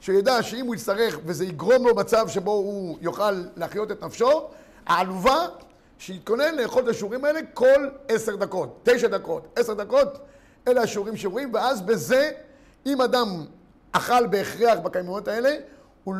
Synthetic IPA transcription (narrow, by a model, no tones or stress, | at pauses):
ʃejadaʃeimhujist̪aʁe̞χve̞ze̞iɡʁo̞mlo̞mat͡savʃe̞bo̞ujoχalːeaχjo̞t̪e̞t̪nafʃo̞ | a̰aluva | ʃeit̪̚ko̞ne̞nleːχo̞ltaʃeuʁimae̞le̞ko̞lese̞ʁd̪ako̞tːe̞jʃad̪ako̞tese̞ʁd̪ako̞t | eleaʃeuʁimʃeuimveazbe̞ze̞ | imadam | aχalbeːχʁeaχbakajmono̞tae̞le̞ | u